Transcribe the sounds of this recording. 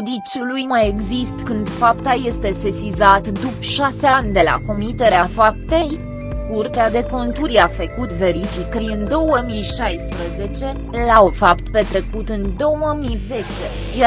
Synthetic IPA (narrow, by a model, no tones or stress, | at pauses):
d̪it͡ʃʲulujmaje̞ɡzist̪kɨnd̪fapt̪aje̞st̪e̞sesizat̪d̪upʃaseand̪e̞la̰ko̞mit̪e̞ɾeafap̚t̪e̞j | kurt̪ead̪e̞ko̞nt̪uɾjafəkut̪ve̞ɾifikɾiɨnd̪o̞wəmijʃajspɾəze̞t͡ʃe̞ | lafapt̪pe̞t̪ɾe̞kut̪ɨnd̪o̞wəmize̞t͡ʃe̞ | je